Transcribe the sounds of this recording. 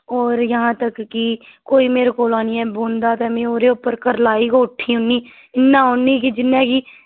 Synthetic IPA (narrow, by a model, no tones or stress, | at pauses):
ɔːɾjəɦãːt̪əkːikoːiːmeːɾkoːlaːniːɛːboːnd̪aːt̪ɛmẽːoːɾeːʊpːəɾkəɾlaːiːkoːʈʰːiːɦʊnːiː | ɪnːãːɦʊnːiːkid͡ʒɪnːẽːkiː